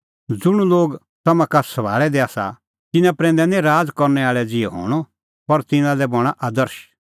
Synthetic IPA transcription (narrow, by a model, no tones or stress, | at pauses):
d͡zʊɽ̃uloːɡ | t̪ɐmãkasɐbʱa̰ːɭɛd̪ɛaːsa̰ | t̪ɪnãpɾɛ̃ːnd̪ɛnɛ̃ɾaːd͡zkɔɾnɛaːɭɛd͡zɪɛɦo̰ːɽ̃ɔ | pɐɾt̪ɪ̃nãlɛbɔɽ̃aʔaːd̪əɾʃ